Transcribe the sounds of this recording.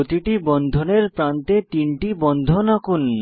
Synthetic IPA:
ot̪iʈibɔnnd̪ʱoneɾpɾant̪et̪inʈibɔnd̪ʱonakun

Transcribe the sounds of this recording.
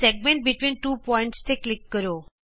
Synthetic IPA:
sɛɡ̚mẽɳʈ̚bɪʈʋĩnʈuːpɔ̃ɪ̃ɳʈst̪ʰeklɪkːəɾo

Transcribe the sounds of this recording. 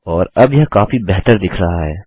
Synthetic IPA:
ɔːɾɐbjɐɦkaːfibɛɦt̪əɾd̪ɪkʰɾɐɦaɦɛ̰ː

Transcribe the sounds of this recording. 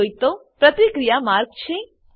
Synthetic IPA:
ojt̪opɾət̪ikɾijamaɾɡ̚t͡ʃʰẽ

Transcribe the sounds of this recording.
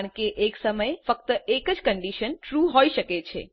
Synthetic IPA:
ɳkeʔeksəməjfək̚t̪əʔekəd͡ʒkəɳɖiʃənʈɾuɦoiʃəket͡ʃʰḛ

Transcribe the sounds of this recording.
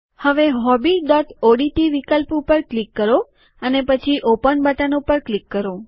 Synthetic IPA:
həʋeɦɔbiɖɔʈoɖiʈiʋikəlpupəɾklikːəɾo | ənepət͡ʃʰiʔopənbaʈanopəɾklikːəɾo

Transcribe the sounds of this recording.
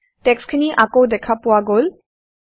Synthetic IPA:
tɛkskʰiniʔakowdɛkʰapʊwaɡol

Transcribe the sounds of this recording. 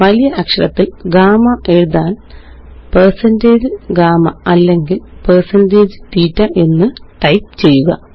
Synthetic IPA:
ʋɐlijɐʔɐkʂɐɭɐt̪ːilɡaːmɐʔe̞ɻuðaːn | persɐnde̞ːd͡ʑɨɡaːmɐɐlːe̞ŋɡilpersɐnde̞ːd͡ʑɨt̪iːtːɐʔe̞nːɨʈɐjp̚t͡ɕe̞jːuɣɐ̰

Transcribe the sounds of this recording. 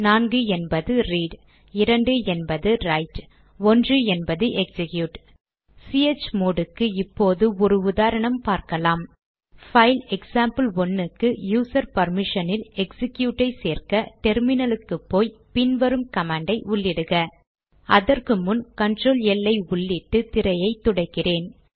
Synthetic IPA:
naːnɡɯɛnbɐðɯɾiːɖ | ɪɾɐɳɖɯɛnbɐðɯɾɐɪʈ | ɔndrɯɛnbɐðɯʔɛksɪkjuːʈ | siɛt͡ʃːmoːɽɯkːɯɪpːoːðɯɔɾɯʊðaːɾɐɳɐmpaːɾkɐlaːm | fɐɪlɛksaːmpɯlɔnːɯkːɯjuːsɐɾpɐɾmɪʂɐnɪlɛksɪkjuːʈːɐɪseːrkɐʈɛɾmɪnɐlɯkːɯpːoːjpɪnʋɐɾɯmkɐmaːɳɖɐɪʔʊɭːɪɽɯɣɐ | ʔɐðɐrkɯmʊnkɐnʈroːlɛlːɐɪʊɭːɪʈːɯt̪ɪɾɐjɐɪt̪ːʊɽɐɪkːɪreːn

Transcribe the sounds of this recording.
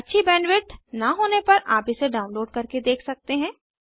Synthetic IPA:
ɐtːʃʰibɛːnʋɪʈnɐɦoːnepɐɾʔaːpiseɖaːʊ̃nloːɖkɐɾked̪eːkʰsɐk̚t̪eɦɛ̃ː

